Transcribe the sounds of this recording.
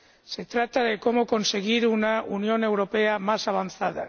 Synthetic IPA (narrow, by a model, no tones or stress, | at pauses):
se̞t̪ɾat̪aðeko̞moko̞nse̞ɣ̞iɾunaunjo̞ne̞wɾo̞peamasaβ̞an̟θað̞a̰